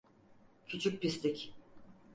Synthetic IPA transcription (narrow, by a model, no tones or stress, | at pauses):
cʰut͡ʃʰuk̚pist̪ʰɪc